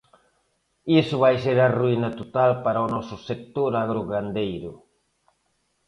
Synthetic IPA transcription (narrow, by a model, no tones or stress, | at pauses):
isʊβajseɾaruinɐt̪ot̪alpaɾaonɔsʊsek̚t̪oɾaɣɾoɣand̪ejɾʊ